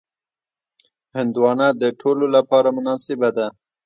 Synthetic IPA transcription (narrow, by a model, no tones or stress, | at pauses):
hɪnd̪wɑnad̪əʈʰololapɑɾamʊnɑsɪbad̪a